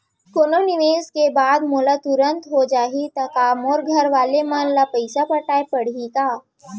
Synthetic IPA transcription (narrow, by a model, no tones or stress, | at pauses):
koːnonɪʋeːskebaːd̪moːlat̪ʊɾə̃nt̪ɦod͡ʒaːɦit̪ɐkaːmoːɾɡʱɐɾʋaːlemãnlapəɪsapɐʈaːepɐɽ̤ikaː